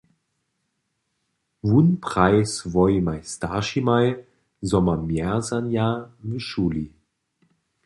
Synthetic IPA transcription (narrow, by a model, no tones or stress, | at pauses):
vunpʁ̥aɪsvɔʏmaɪstaːʃimaɪ | zɔmɐmjɛɐzanjaviʃuːlḭ